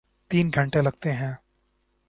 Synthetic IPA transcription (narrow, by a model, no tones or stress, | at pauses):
t̪iːnɡʱɐ̃ɳʈelɐɡ̚t̪eɦɛ̃ː